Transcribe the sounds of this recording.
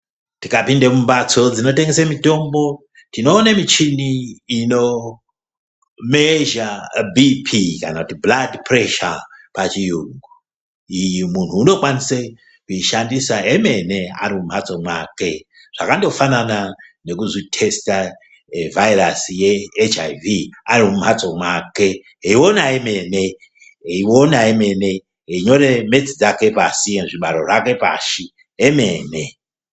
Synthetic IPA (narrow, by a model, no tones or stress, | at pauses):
tikapindemumbat͡so̞d͡zino̞t̬eŋɡesemito̞mbo̞ | tino̞ːnamit͡ʃiniːno̞ | meʒabipʰikanakutibladpreʃapat͡ʃijuŋɡu | ijimun̤uːno̞kwanise | kuiʃandisaeme̞nea̰ɾimum̤ʱat͡so̞mwa̰ke̞ | ʐ̥akando̞fanana | ne̞kuzitʰe̞sta | vairasijeːt͡ʃajviaɾimum̤at͡so̞mwaːke | ɦeiwo̞naeme̞ːne̞ | eiwo̞naeme̞ne̞ | eiɲo̞ɾe̞me̞t͡sid͡zake̞pasijeʐiɓaɾo̞ʐake̞pa̰ːʃi | eme̞ːne